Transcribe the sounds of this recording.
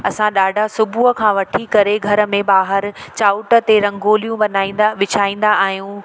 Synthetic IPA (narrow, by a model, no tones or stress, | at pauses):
ɐsãɗaːɖʱasʊbʱuəkʰãːʋɐʈʰikɐɾeɡʱɐɾə̆mẽɓaːɦəɾt͡ɕaːʊʈə̆t̪eɾɐ̃ŋɡoːlijũɓɐnaːĩːnd̪aʋɪt͡ɕʰaːĩːn̆d̪aaːɦijũ